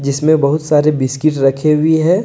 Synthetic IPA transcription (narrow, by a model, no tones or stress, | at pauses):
d͡ʒɪsmẽbɐɦʊt̪saːɾebɪskɪʈɾɐkʰeʊiɦɛ̃ː